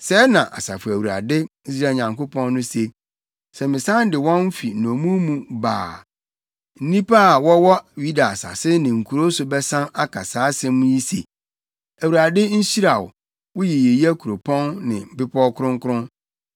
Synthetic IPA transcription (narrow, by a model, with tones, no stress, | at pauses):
sɛ˦nã˨ʔa̰˨sa̰˨fʊ˨æ˨wu˨ɾa̰˨dɪ˦i˦s̬ɾaː˦˨ɲã˨ŋko˦pʰɔ̃˦nː˦ʊ̃˦se˦ | sɛ˨mɪ̃˨sã˦n˦dɪ˨wɔ̃˦m̩˦fi˨nɔ̃˨mũ˦mũ˦ba̰ː˨ | n̩˦nĩ˦pa˦a˨wɔ˦wɔ˦wi˦da˨sa̰˨sɪ˦nɪ̃˨ŋ̩˨kʰu˨ɾo˦sʊ˨bɛ˦sã˦na˦kʰa˨saː˨˦sɛ̃˦mũ˦ji˦sḛ˨ | æ˨wu˨ɾa˨dɪ˦n̩˦ɕi˦ɾa˨wʊ̰˨ | wʊ˦je˨je˨ji˦æ˦kʰu˨ɾo˨pʰɔ̃˦nːɪ̰̃˨m̩˨bɪ˦pʰɔ˦kʊ˦ɾʊ̃˦ŋkʰʊ˦ɾʊ̃˦n